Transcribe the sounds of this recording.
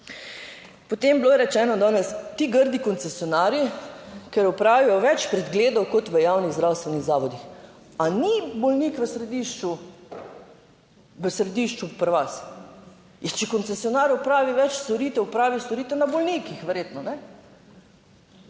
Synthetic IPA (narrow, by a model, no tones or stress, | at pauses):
pot̪embloːjɛɾɛt͡ʃɛːnɔd̪ɔːnɛst̪iɡəɾd̪ikɔnt̪sɛsjɔnaːɾjikɛɾupɾaːʋijɔʋɛt͡ʃpɾɛd̪ɡleːd̪ɔwkɔt̪ʋəjawniɣzd̪ɾaːwst̪ʋɛniɣzaːʋɔd̪ix | anibɔlniːkʋəsɾɛd̪iʃt͡ʃu | ʋəsɾɛd̪iʃt͡ʃupəɾʋas | jɛt͡ʃɛkɔnt̪sɛsijɔnaːɾʊpɾaːʋiʋɛt͡ʃst̪oɾiːt̪ɛupɾaːʋist̪ɔɾiːt̪ɛnabolnikixʋɛɾjeːt̪nɔnɛ